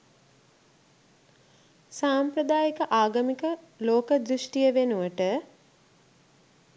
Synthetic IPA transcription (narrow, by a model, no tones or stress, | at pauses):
saːmpɾəd̪aːjəkəʔaːɡəmikə | loːkəd̪ɾuʂʈijəʋenuʋəʈə